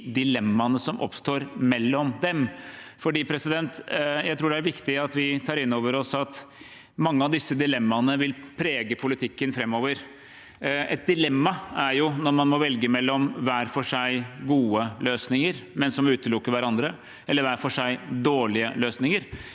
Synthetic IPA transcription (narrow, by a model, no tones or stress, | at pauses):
d̪ɪlɛmːɑnəsɔmʔɔ̰pst̪oːɾmɛlːɔmd̪ɛmfɔɖiːpʰɾɛsɪd̪ɛnt̪jæɪt̪ʰɾuːɖɛæɾʋɪkt̪ɪɑt̪ʋɪt̪ʰɑːɾɪnːoːʋəɾɔsɑt̪ | mɑŋːəɑʋd̪ɪsːəd̪ɪlɛmːɑnəʋɪlpʰɾeːɡəpʰʊlɪt̪ʰɪkːənfɾɛmːoːʋəɾ | ɛt̪̚d̪ɪlɛmːɑæɾjʊnɔɾmɑnmɔʋɛlɡəmɛlːɔmʋæːɾfɔʂæɪɡuːəløːsnɪŋəɾmɛnsɔmʉːt̪əlʊkːəɾʋæɾɑnd̪ɾə | ɛlːəɾʋæːɾfɔʂæɪd̪oːɭɪəløːsnɪŋəɾ